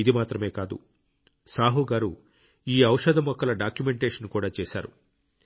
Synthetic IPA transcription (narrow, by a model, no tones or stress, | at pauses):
id̪imaːt̪ɾɐme̞ːkaːd̪ṵ | saːɦuɡaːɾu | iːɐwʂɐd̪ʱɐmɔkːɐlɐɖaːkjumeɳʈeːʂɐnkuːɽaːt͡ʃeːsa̰ːɾṵ